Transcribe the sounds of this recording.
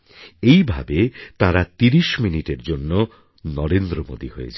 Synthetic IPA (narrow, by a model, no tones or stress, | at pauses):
ejbʱa̰bet̪aɾat̪iɾiʃminiʈeɾd͡ʑonːo | nɔɾend̪ɾomo̰d̪ihojḛt͡ɕʰa